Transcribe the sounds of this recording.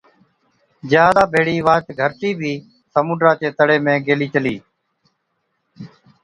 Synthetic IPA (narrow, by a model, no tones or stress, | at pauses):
d͡ʒjaːd̪aːbʱeːɽiːʋaːt͡ʃɡʱəɾʈiːbʱiː | səmuːɖɾaːt͡ʃeːt̪əɽeːmẽːɡeːliːt͡ʃəliː